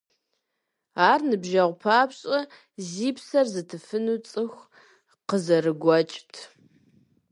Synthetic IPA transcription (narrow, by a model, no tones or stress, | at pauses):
aːrnɨbʒɐʁʷpʰaːpɕʼɐ | ziːpsɐrzɨtʰɨfɨnuːt͡sʼɨxʷ | qəzɐrɨɡʷɔt͡ʃʼtʰ